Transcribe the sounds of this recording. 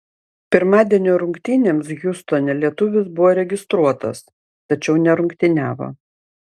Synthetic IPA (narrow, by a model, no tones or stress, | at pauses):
pʲɪɾmɑːd̪ʲiɛnʲoːɾʊŋkt̪ʲiːnʲeːmsɡʲʊst̪oːnʲɛlʲiɛt̪ʊʋʲɪsbʊʋoːɾʲɛɡʲɪst̪ɾuɔt̪ɐ̰s | t̪ɐt͡ʃʲɛʊnʲɛɾʊŋkt̪ʲɪnʲæːʋo̰